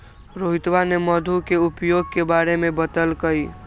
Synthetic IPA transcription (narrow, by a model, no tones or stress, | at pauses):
ɾoɦit̪ʋaneməd̪ʱukeupjoɡ̚kebaɾemebət̪əlkəj